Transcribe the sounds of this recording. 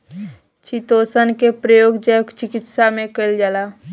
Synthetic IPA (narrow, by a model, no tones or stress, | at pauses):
t͡ʃʰit̪oːsənkepɾəjoːɡd͡ʒəjkt͡ʃɪkɪt̪samẽkəld͡ʒala